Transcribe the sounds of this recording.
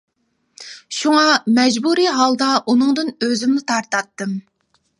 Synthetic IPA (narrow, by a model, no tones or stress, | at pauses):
ʃuŋɑmɛd͡ʒbuɾiɦɑlˠd̪ɑʔunɨŋd̪ɨnøzymnɪt̪ʰɑɾt̪ɑt̪ːɨm